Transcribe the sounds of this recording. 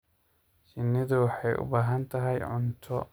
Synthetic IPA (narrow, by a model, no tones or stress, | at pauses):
ʃɪnːɪd̪uːħɛʊ̰bɐɦɐnt̪ɐɦɐjʊ̰nt̪ʰːɔ